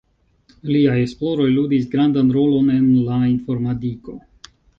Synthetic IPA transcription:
liajesplo̞ɾo̞jludisɡɾandanɾo̞lo̞ne̞nlainfo̞ɾmatiko̞̰

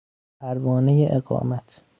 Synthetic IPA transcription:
pʰæɾvɒːnejeʔeɡɒ̰ːmæt̪ʰ

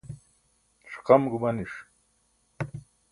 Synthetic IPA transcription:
ʂqɑmɡumɐniʂ

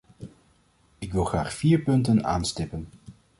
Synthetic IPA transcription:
ɪkʋɪlˠχraːχfiːɹpɵntəna̰ːnstɪpən

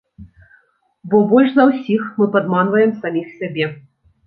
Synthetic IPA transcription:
bɔbɔlʲʂzɐwsʲixmɨpad̪manvɐjɛmsamʲixsʲabʲɛ

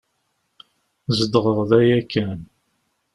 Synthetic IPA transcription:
zəd̪əʁəʁˤðæjækːæn

